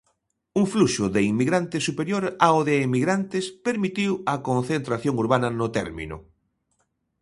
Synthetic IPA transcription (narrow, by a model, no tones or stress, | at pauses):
uŋfluʃʊðeiŋmiɣɾant̪ɪsupeɾjoɾaoðeːmiɣɾant̪ɪspeɾmit̪iwɐkõnθent̪ɾaθjoŋuɾβanɐnʊt̪ɛɾmḭ̃nʊ̰